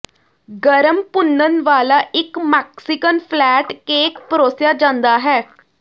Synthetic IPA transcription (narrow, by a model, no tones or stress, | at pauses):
ɡəɾəmpʊnːənʋaːlaːʔɪkmɛːksɪkənpʰlɛːʈkeːkpəɾoːsjaːd͡ʒãːnd̪aːɦɛː